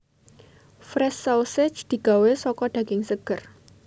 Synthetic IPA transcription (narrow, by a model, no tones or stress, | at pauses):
fɾɛsawsɛ̥t͡ʃd̪̥i̤ɡ̥a̤wesɔkɔɖ̪̥ä̤ɡ̥ɪŋsəɡ̥ə̤r